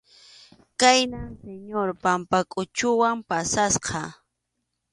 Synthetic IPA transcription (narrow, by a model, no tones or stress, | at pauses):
kajnanseɲoɾpampakʼʊt͡ʃʊwampasasqɑ